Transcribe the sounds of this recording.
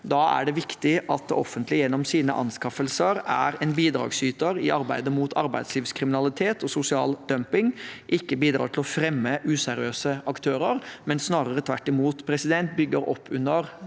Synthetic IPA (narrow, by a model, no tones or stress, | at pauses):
d̪ɑːæ̰ɖɛʋɪkt̪ɪʔɑt̪ɔ̰fːənt̪lɪjɛnːɔmsiːnə̰ʔɑ̰nskɑfəlsəɾæ̰ɾɛːnbiːd̪ɾɑ̰ːɡsyːt̪əɾɪʔɑɾbæɪd̪əmuːt̪ʰɑ̰ɾbæ̰ɪd̪sliːʋskʰɾɪmɪnɑlɪt̪ʰeːt̪ɔsʊsɪɑ̰ːld̪œmpɪŋʔɪkːəbiːd̪ɾɑ̰ːʈʰɪlɔfɾɛmːəʔʉːsæɾɪøːsəʔɑkt̪ʰøːɾəɾmɛnsnɑːɾəɾət̪ʰʋæʈːɪmuːt̪pʰɾɛsɪd̪ɛnt̪̚bʏɡːəɾɔ̰pʰːʉnːəɾ